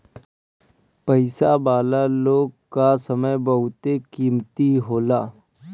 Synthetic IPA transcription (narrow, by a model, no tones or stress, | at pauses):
pəɪsabaːlaloːɡ̚kasəməjbəɦʊt̪ekiːmt̪iɦoːlaː